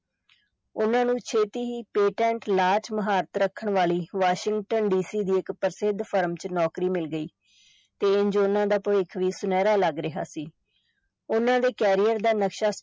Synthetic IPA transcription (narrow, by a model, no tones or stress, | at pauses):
ʊnãːnũːt͡ʃʰeːt̪iːɦiːpeːʈɛ̃ːɳʈlaːt͡ʃməɦaːɾət̪ɾəkʰːəɳʋaːliːʋaːʃɪ̃ŋɡʈənɖiːsiːd̪iːɪkpəɾsɪd̪pʰəɾmt͡ʃnɔːkɾiːmɪlɡəiː | t̪eːɪnd͡ʒoːnãːd̪aːpəʋeːkʰʋiːsʊnɛːɾaːləɡɾɪɦa̰ːsiː | ʊnãːd̪eːkɛːɾijəɾd̪aːnəkʃaː